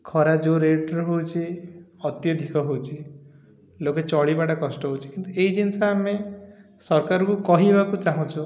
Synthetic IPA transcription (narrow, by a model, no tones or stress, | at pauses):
kʰɔɾad͡ʒoɾeʈɔɾɦowt͡ʃʰiɔt̪jɔd̪ʱikɔɦowt͡ʃʰi | loket͡ʃɔɽibaʈakɔsʈɔɦowt͡ʃʰi̥kint̪ueid͡ʒinsaamesɔɾkaɾɔkukɔɦiebakut͡ʃaɦũt͡ʃʰu